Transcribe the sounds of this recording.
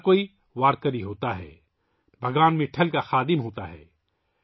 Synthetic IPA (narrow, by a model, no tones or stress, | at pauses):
koːi | ʋaːɾkəɾiɦoːt̪aɦɛ̰ː | bʱɐɡʋaːnmẽʈʰɐlkaxaːd̪ɪmɦoːt̪a̰ɦɛ̰ː